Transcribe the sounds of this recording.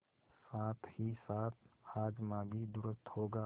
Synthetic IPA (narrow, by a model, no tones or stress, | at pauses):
saːt̪ʰhisaːt̪ʰaːd͡ʒmãːbʱid̪ʊɾəst̪hoːɡaː